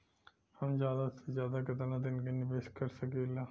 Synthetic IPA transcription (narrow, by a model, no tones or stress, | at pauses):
həmd͡ʒjaːd̪aszjaːd̪akət̪ənat̪̬ɪnkenɪpeːʃkəɾsəkeːlaː